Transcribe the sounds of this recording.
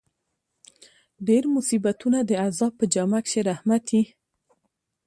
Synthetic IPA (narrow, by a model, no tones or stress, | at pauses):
ɖeɾmʊsibat̪unad̪əazɑb̚pːəd͡ʒamakʃeɾahmat̪i